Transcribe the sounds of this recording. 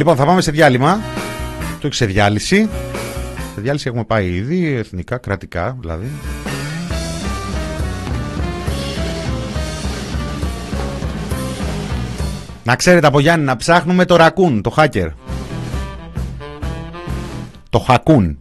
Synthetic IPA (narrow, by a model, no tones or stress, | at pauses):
lipo̞nθɐpɐme̞se̞ðjɐlimɐ | toçi̥se̞ðʝɐlisi | seðjɐlisie̞xume̞pɐiiðie̞θnikɐkɾɐt̪ikɐðilɐ̰ði | nɐkse̞ɾet̪eɐpo̞ʝɐnnɐpsɐxnume̞t̪o̞ɾɐkunt̪o̞xɐce̞̰ɾ | t̪o̞xɐkun